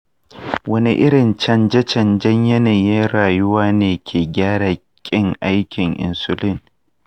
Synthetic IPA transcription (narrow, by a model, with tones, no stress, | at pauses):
wɐ˦ni˦ʔɪ˦ɽɪ˨nt͡ʃɐ˦nd͡ʒɛ˦t͡ʃɐ˨nd͡ʒɐ˦ɲjɐ˦neː˨ji˦ɽaː˨jʊ˦waː˦neː˨kʲʰeː˨ɡʲaː˦ɽaː˨kʲʼɪ˦ŋʔa˦jkʲɪ˨ŋʔɪ̰˨nsʊ˦lɪ˦ŋ